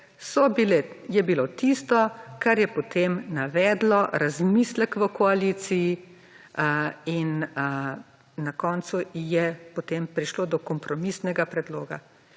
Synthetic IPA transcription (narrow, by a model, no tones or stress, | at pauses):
sɔbilɛ | jɛbiloːt̪ist̪ɔkaɾjɛpɔt̪ʰemnaʋɛːd̪lɔɾazmiːslɛkʋəkɔaliːt̪siji | in | nakɔːnsujɛpot̪empɾiʃloːd̪ɔkɔmpɾɔmisnɛɡapɾɛd̪loːɡa̰